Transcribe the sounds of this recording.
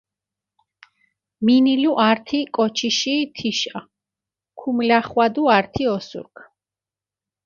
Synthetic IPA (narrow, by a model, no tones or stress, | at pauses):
miniluʔaɾt̪ʰikʼɔt͡ʃʰiʃit̪ʰiʃa | kʰumlaχwad̪uaɾt̪ʰiɔsṵɾkʰ